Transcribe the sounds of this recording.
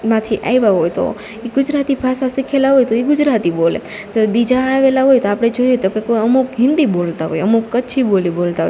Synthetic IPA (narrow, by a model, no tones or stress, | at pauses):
mãt̪ʰiʔa̰jʋaɦojt̪o̰ | iɡʊd͡ʒɾat̪ibʱasasikʰelaɦojt̪oiɡʊd͡ʒɾat̪ibolḛ | t̪obid͡ʒaːʋelaɦojt̪oapɽ̃ed͡ʒoijet̪okekoəmukɦɪ̃nd̪ibolt̪aɦo̰jəmukːət͡ʃʰibolibolt̪aɦo̰j